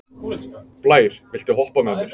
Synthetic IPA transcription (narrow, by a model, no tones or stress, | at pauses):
plaːjɾ̥vɪl̥t̪ɪɦɔhpamɛmɛɾ̥